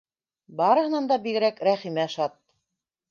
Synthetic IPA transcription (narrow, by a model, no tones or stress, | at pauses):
bɑɾɤ̆hɤ̆nɑnd̪ɑbiɡɘ̆ɾækɾæχimæʃɑt̪̚